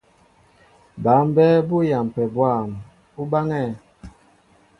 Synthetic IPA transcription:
ba˨˦mbɛ˦bu˦ja˨m˨pɛ˨bwa˦˨m | u˦ba˦ŋɛ˦˨

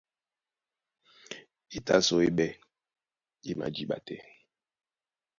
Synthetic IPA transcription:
i˦ta˦so˦e˦ɓɛ˦ | i˦ma̰˨d͡ʒi˦ɓa̰˨tɛ̰˦

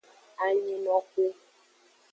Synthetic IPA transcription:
a˨ɲi˦nɔ̃˦ku˦

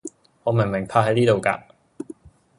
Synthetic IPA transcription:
ŋɔː˨˧mɪ˨˩ŋmɪ˨˩ŋpʰaː˧ɦɐ˨˥jniː˥t̪o˨wka̰ː˧

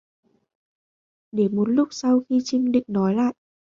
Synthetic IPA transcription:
ɗe˧˩mo˨˦t̚lʊ˦˥k͡p̚sa˧wxi˧t͡ɕï˧ŋɗḭ̈˧˨ŋ̟nɔ˨˦jla̰ː˧˨j

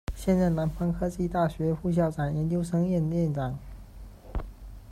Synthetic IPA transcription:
ɕjɛ˥˧nt͡sa˥˩ɪna˧˥npʰɑ˥ŋkʰɤ˥t͡ɕi˥˧t̪a˥˩ɕɥɛ˧˥fu˥˩ɕ̬jɑ˥˩ʊʈ͡ʂa˨˩njɛ˧˥nt͡ɕjo˥ʊʂɤ˥ŋjɛ˥˩nd̪ə˩jɛ˥˩nʈ͡ʂɑ˨˩˦ŋ

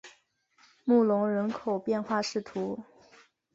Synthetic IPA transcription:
mu˥˩lʊ˧˥ŋɻə˧˥nkʰo˨˩ʊpjɛ˥˧nxwa˥˧ʂɻ̩˥˩t̪ʰu˧˥

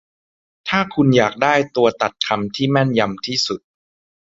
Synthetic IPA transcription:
t̪ʰaː˥˩kʰu˧njaː˨˩k̚daː˥˩jt̪u˧ɐt̪a˨˩t̪̚kʰa˧mt̪ʰiː˥˩mɛ˥˩nja˧mt̪ʰiː˥˩su˨˩t̪̚

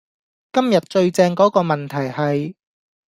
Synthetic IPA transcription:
kɐ˥mjɐ˨t̚t͡ʃɵ˧ɥt͡sɛː˧ŋkɔː˨˥kɔː˧mɐ˨nt̪ʰɐ˨˩jhɐ˨j

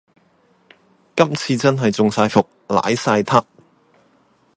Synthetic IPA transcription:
kɐ˥mt͡sʰiː˧t͡sɐ˥nɦɐ˨jt͡sʊ˨ŋsaː˧jfʊ˨k̚la̰ː˨˥jsaː˧jt̪ʰɐ˥k̚

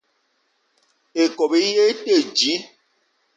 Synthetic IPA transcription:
e˨kɔ˨be˦je˦te˦˨d͡ʒi˨˦

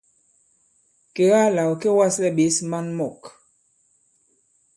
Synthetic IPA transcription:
ke˨ɣa˦la˨wo˨ke˦wa˦slɛ˦ɓe˨˦sma˦nmɔ˦˨k

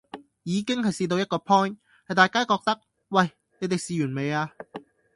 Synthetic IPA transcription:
jiː˨˧kɪ˥ŋɦɐ˨jsiː˧t̪̬o˧wjɐ˥t̚kɔː˧pʰɔː˥n | hɐ˨jt̪aː˨jkaː˥kɔː˧k̚t̪ɐ˥k̚ | wɐ˨j | ne˨˧jt̪̬e˨˩jsiː˨jyː˨˩nme˨˧jaː˧

